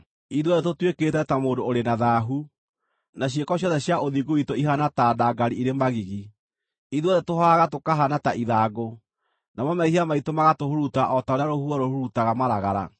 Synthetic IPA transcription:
iðwɔðɛtotweketɛtamoːdoːɾenaðaːɦu | naɕ̬iekɔɕ̬jɔðɛɕjaoðiɡoitoiɦanatadaɡaɾiiɾemaɣiɣi | iðuɔðɛtohaɣatokaɦanataʔiðaːɡo | namɔmaihiamaitomaɣatohoɾutaʔɔtaoɾjaɾohuaɾohoɾutaɣamaɾaɣaɾa̰

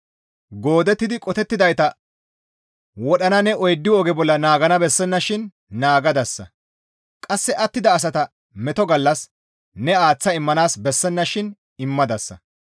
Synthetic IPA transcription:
ɡo̞ːd̪ɛt̪ːɪd̪ɪkʼɔt̪ɛt̪ːɪd̪ɐjt̪ɐ | wɔɗɐnɐnɛɔjd̪ːɪɔɡɛbɔlːɐnaːɡɐnɐbɛsːɛnːɐʃɪnː | aːɡɐd̪ɐsːɐ̰ | kʼɐsːɛʔɐt̪ːɪd̪ɐːs̬ɐt̪ɐ | mɛt̪ɔɡɐlːɐs | nɛaːt͡sːɐɪmːɐnaːsbɛsːɛnːɐʃɪn | ɪmːɐd̪ɐsːɐ̰

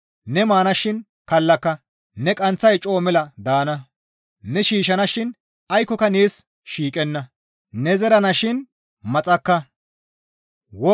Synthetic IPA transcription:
nɛmaːnɐʃɪn | kɐlːɐkːɐ | nɛkʼɐnt͡sːɐjt͡ʃʼo̞ːmɛlɐd̪aːnɐ | nɛʃiːʃ̬ɐnɐʃɪn | ɐjkːɔkɐneːs | ʃiːkʼɛnːɐ | nɛzɛɾɐnɐʃɪn | mɐt͡sʼɐkːɐ | wɔ

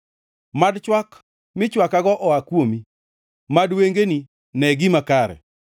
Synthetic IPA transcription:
madt͡ʃwak | mɪt͡ʃwakaɡɔʔɔakwomi | madweŋɡeni | nɛɡɪmakaɾɛ̰

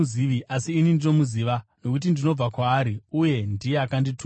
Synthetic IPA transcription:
iʋiʔasiːnindino̞muziʋano̞kut̬indino̞b͡vakwaːɾiuje̞ndijeakanditu

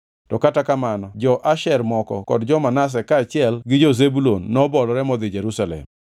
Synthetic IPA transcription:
tɔkatakamanɔd͡ʒɔʔaʃɛɾmɔkɔkɔdd͡ʒɔmanas̬ɛkaːt͡ʃɪɛlɡɪd͡ʒɔzebulonːɔbɔlɔɾɛmɔd̪ɪd͡ʒeɾusalɛ̰m

